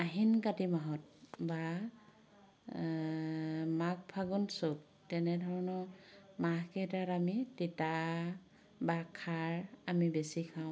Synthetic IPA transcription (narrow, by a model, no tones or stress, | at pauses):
aɦinkatimaɦɔt̚ba | mak̚pʰaɡunsok̚ | tɛnɛdʱɔɹɔnɔmahkɛtatamitita | bakʰaɹamibesikʰaʊ̃